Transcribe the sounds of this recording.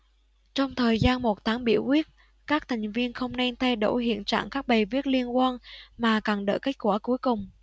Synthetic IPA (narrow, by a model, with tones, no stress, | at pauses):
t͡ɕɔ˧wŋ͡mt̪ʰəː˨˩jzaː˧nmo˨˩t̚t̪ʰaː˨˦ŋɓḭ˧˩əwkwi˦˥ət̚ | kaː˦˥k̚t̪ʰa˨˩jŋ̟vi˧ənxə˧wŋ͡mna˧jt̪ʰa˧jɗo̰˧˩ɦḭ˧˨ənt͡ɕa̰ː˧˨ŋkaː˦˥k̚ɓə˨˩vi˦˥ət̚li˧ənkwaː˧nmaː˨˩ka˨˩nɗə̰ː˧˨jke˦˥k̚kwaː˧˩ku˨˦əjkʊ˨˩ŋ͡m